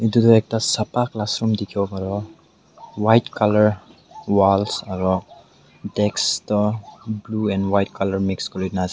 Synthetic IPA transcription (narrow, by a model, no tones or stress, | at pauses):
itutɔɛk̚tasapaklasɾɔmdikʰibɔpaɹɔ | wajtkʰalɔɹ | walsaɹɔ | dɛkstɔbluɛnwajt̚kalɔɹmikskɔɹidnaza